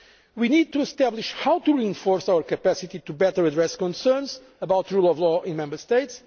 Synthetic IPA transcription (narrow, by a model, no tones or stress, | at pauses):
winid̪̚t̪uɨst̪ɛblˠiʃhawt̪uɹiɪ̃nfɔɾsawəɾkɐpæsit̪it̪ubɛt̪ə˞ɐd̪ɹɛskɔ̃nsɜ̃˞nz | əbawt̪ɹulˠɔvlɔʔĩnmɛ̃mbəst̪eɪts